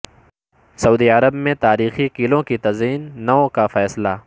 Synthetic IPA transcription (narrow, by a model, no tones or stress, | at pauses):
sɐuːd̪iɐɾəbmẽt̪aːɾiːxikɪlõkit̪ɐziːnːɐõkafɛːsla